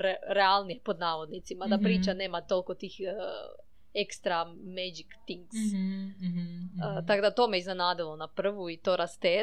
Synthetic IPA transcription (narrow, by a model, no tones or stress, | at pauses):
ɾealˠnijepo̞d̪naːʋo̞d̪nit̪simad̪apɾiːt͡ʃane̞ːmat̪o̞lˠko̞t̪iːx | ekst̪ɾamed͡ʒikt̪iŋks | ət̪akod̪at̪o̞meiznenaːd̪ilonapr̩ʋuit̪oɾast̪eː